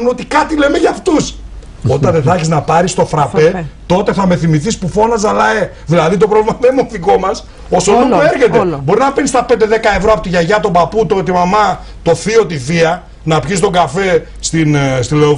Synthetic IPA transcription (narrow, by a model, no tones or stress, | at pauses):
uno̞t̪ikɐt̪ile̞meʝɐːft̪us | o̞t̪ɐnðeθɐçiznɐpɐɾist̪o̞θɾɐpe̞t̪o̞t̪e̞θɐme̞θimiθispufo̞nɐzɐlɐe | ðilɐðit̪o̞pɾovlimɐmemoθiko̞mɐs | o̞soloueɾçe̞t̪e̞bo̞ɾinɐpenist̪ɐpend̪e̞ðekɐe̞vɾoɐpot̪iʝɐʝɐt̪o̞bɐput̪ot̪imɐmɐ | t̪o̞θio̞t̪iθiɐ | nɐpçis̬t̪o̞ɡɐfe̞ | st̪inst̪ile̞o